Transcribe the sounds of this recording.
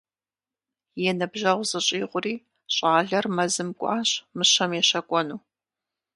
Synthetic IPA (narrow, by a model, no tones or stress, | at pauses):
jɛnɐbʒɐʁʷzɨɕʼiːʁʷʊriː | ɕʼaːɮɐrmɐzɨmkʷʼɑ̰ːɕmɨɕɐmjɛʃɐkʷʼɔnuː